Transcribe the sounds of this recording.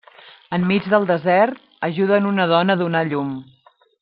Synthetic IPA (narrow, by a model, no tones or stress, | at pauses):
əmːid͡zðəlˠd̪əzɛɾt̪̚əʒuðənunəð̞ɔnəðunaʎum